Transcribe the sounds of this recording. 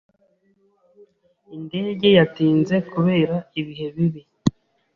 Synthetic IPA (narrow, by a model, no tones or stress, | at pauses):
inde̞ːɟe̞jatiːnze̞kuβe̞ːɾaiβiɦe̞βiβi